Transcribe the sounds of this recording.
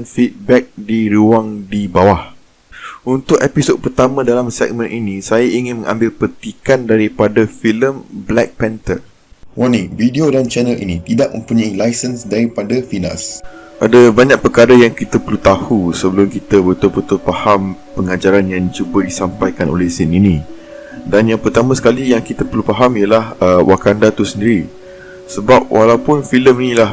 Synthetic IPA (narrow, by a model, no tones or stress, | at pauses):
nfit̪̚bɛk̚diɾuaŋdibawah | unt̪ʊk̚episod̚pərt̪amãdalamsɛ̰k̚mə̃nʔinisajaiŋɪ̃nmə̃ŋʔã̰mbɪlpət̪ikandaɾipadafiləmblɛk̚pɛnt̪ər | wanividiodant͡ʃɛnəlḭnit̪idaʔ̚mə̰̃mpuɲailajsənsdaɾipadafina̰sʔadəbaɲãk̚pəkaɾəjaŋkit̪əpəlut̪ahusəbəlʊmkit̪əbət̪ʊlpət̪ʊlpahampəŋad͡ʒaɾanjaŋt͡ʃubədisampajkano̰lehsininĩ | danjaŋpərt̪amãsə̥kalijaŋkit̪apəlupaɦamijəlahəwʔakandat̪usəndiɾi | səbap̚wʔalawpʊnfiləminĩla